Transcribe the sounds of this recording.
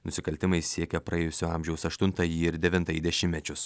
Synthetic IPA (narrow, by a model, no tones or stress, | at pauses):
nʊsʲɪkɐlʲt̪ʲɪmɐɪssʲiɛkʲɛpɾɐeːjʊsʲoɑːˑmʲʒʲɛʊsɐʃt̪ʊnt̪ɐjiːɪɾd̪ʲɛʋʲɪnt̪ɐjiːd̪ʲɛʃʲɪmʲmʲɛt͡ʃʲʊs